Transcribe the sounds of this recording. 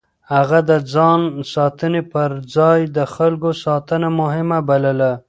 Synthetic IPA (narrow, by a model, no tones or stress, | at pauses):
haɣad̪əd͡zɑnsɑt̪ənepəɾd͡zɑjd̪əxalɡosɑt̪ənamʊɦɪmabaləla